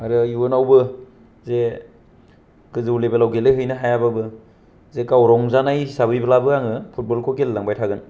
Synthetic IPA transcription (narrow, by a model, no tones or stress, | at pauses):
aɾɯuwɯnawbɯ | ze | ɡɯzɯwlebalawɡelɯɦɯjnɯɦajababɯ | zekawɾɔŋzanajisabɯjbalabɯaŋɯpʰut̚bolkʰokelːaŋbajtʰaɡɯn